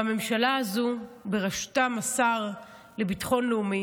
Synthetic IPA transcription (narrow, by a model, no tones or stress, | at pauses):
ame̞mʃalaazubeʁaʃtamasaʁ | le̞bitχo̞nleumi